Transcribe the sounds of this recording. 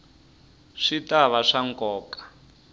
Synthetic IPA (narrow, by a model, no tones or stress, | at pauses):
ʂitaβaʂaŋkʼɔːkʼḁ